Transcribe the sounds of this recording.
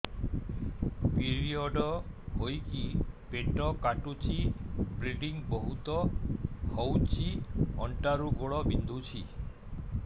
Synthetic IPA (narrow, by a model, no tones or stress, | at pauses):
piɾiɔɖɔhojkipeʈɔkaʈut͡ʃʰibɾiɖiŋbɔɦut̪ɔhɔwt͡ʃʰiɔ̰ɳʈaɾuɡoɭɔbind̪ʱut͡ʃʰi